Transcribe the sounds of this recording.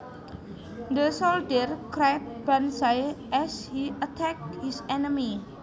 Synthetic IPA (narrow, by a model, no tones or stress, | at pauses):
d̪əsɔldərkɾajt̚b̥ansajʔɛshiʔət̪ʰɛk̚t̚hisɛnəmi